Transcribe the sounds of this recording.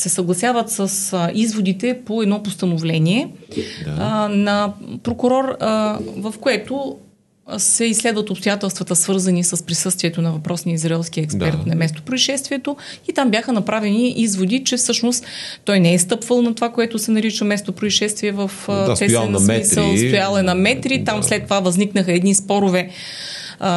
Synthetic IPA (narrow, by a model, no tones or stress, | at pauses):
sɛsɐɡlˠɐsjavət̪səsizvod̪it̪ɛpoɛd̪nɔpost̪ɐnovlɛniɛ | nɐpɾokʊɾɔɾ | vɐfkoɛt̪o | sɛislɛd̪vət̪opst̪ojat̪ɛlˠst̪vɐt̪əsvɤɾzɐnisəspɾisɤst̪viɛt̪onɐvɐpɾɔsnijəizɾɐɛlˠsk̟iəɛkspɛɾt̪nɐmɛst̪o̥pɾoiʃɛst̪viɛt̪oit̪ambʲjaxənɐpɾavɛniʔizvod̪it͡ʃɛfsɤʃnost̪ːɔjnɛɛst̪ɤpvəlˠnɐt̪ovakoɛt̪ʊsɛnɐɾit͡ʃəmɛst̪opɾoiʃɛst̪vʲiɛvəfəst̪ɛmisəlˠst̪ojalˠɛnɐmɛt̪ɾit̪amslɛt̪ːovavɐzniknəxəɛd̪nispɔɾʊvɛ